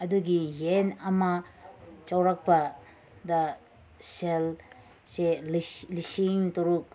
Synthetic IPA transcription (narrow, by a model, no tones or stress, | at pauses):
ɐd̪uɡijenama | t͡ʃawɾak̚pa | d̪a | sel | selisiŋt̪ɔɾuk̚